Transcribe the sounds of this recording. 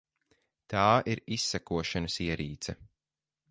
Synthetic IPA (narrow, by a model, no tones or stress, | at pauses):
t̪aːʔiɾisːækuɔʃanəsiɛɾiːt̪sɛ